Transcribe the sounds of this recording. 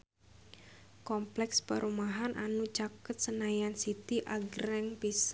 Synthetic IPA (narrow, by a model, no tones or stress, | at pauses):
kɔmplɛkspəɾʔumaɦanʔanut͡ʃakət̪̚sənajansit̪iʔaɡɾɛŋpis